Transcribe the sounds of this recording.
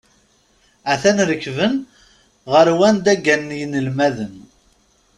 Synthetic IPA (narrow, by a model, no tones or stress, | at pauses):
æθænɾəkːvən | ʁəɾwænd̪æɡːænːjənəlmæðən